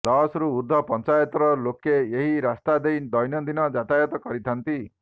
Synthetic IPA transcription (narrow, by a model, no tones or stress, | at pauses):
d̪ɔsɾuud̪ʱːɔpɔnt͡ʃajɔt̪ɾɔlokeeɦiɾast̪ad̪ejd̪ɔjnjɔd̪inɔd͡ʒat̪ajɔt̪ɔkɔɾit̪ʰant̪i